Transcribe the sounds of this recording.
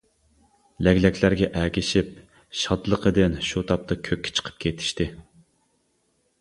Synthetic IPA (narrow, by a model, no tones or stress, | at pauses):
lɛɡʲlɛkʲʰlæɾɡʲɛʔɛkʲɪʃip | ʃɑd̪lˠəqʰəd̪ɪnʃut̪ʰɑp̚t̪ʰɑkʲʰøkʲːɪ̥t͡ʃʰə̥qʰə̥p̚kʲʰet̪ʰɪ̥ʃt̪ɪ